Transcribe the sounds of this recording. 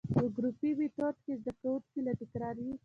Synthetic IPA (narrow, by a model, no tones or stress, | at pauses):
pəɡɾupiwit̪ot̪kezd̪akawunkelaʈɪkɾɑɾi